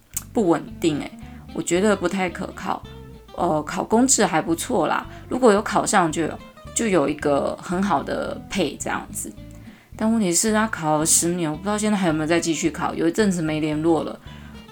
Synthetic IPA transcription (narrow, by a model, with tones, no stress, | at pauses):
pu˥˩wə˨˩nt̪i˥˩ŋḛ˨˩ | wɔ̰˨˩t͡ɕɥɛ˧˥d̪ə˨pu˧˥t̪ʰa˥˩ɪkʰɤ̰˧˥kʰɑ̰˨˩ʊ | ʔə˧kʰɑ˨˩ʊkʊ˥ŋʈ͡ʂɻ̩˥˩xa˧˥ɪpu˧˦t͡sʰwɔ˥˩la̰˩ɻu˧˥kwɔ˨˩jo˧˥ʊkʰɑ˨˩ʊʂɑ˥˧ŋt͡ɕjo˥˩ʊ | t͡ɕjo˥˩ʊjo˨˩ʊi˧˥ɡə˧xə˧˥nxɑ˨˩ʊd̪ə̰˦pʰe˥˧ɪʈ͡ʂɤ˥˧jɑ̰˥˩ŋd͡zɹ̩˨˩ | t̪a˥˧nwu˥˩nt̪ʰi˨˩ʂɻ̩˥˧na˥kʰɑ˨˩ʊ˩ʂɻ̩˧˥njɛ˧˥nwɔ˨˩pu˧˥˧ʊɕɛ˥nd̪jt͡sa˥˧ɪt͡ɕi˥˧t͡ɕʰy˥˩kʰɑ˨˩˦ʊjo˨˩ʊ˧˦ʈ͡ʂə˥˩n̩ʰ˧˥me˧ɪ˧ljɛ˧˦nlwɔ˥˩lə̰˩